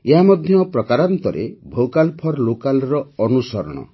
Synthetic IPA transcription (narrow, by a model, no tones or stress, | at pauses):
eɦamɔd̪ʱjɔpɾɔkaɾant̪ɔɾḛbʱowkalpʰɔɾlokalɾɔɔnusɔɾɔ̰ɽ̃ɔ̰